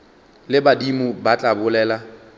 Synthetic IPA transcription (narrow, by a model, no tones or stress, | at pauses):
lɪbadimʊbat͡ɬʼabʊlɛːla